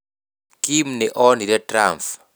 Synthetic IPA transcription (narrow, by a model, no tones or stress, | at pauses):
kimnɛʔɔniɾɛtramf